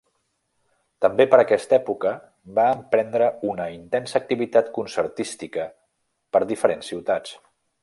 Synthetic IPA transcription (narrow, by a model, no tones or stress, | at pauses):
t̪əmbepəɾəkɛst̪ɛpukə | baəmpɾɛnd̪ɾəunəint̪ɛnsək̚t̪iβit̪at̪kunsəɾt̪ist̪ikə | pəɾðifəɾensːiwt̪at͡s